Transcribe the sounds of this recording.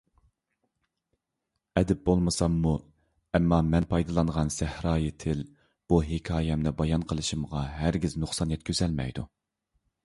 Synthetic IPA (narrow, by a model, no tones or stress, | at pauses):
ɛd̪ɪp̚bolˠmɨsɑmːu | ɛmːɑmɛnpʰɑjd̪ɨlˠɑnʁɑnsæhɾɑːjit̪ʰɪl | b̥uɦɪkʲʰɑːjɛmnɪbɑjɑnqʰəlˠɨʃimʁɑɦæɾɡʲiznʊχsɑnjɛt̪̚kʲʰøzɛlmɛ̰jd̪u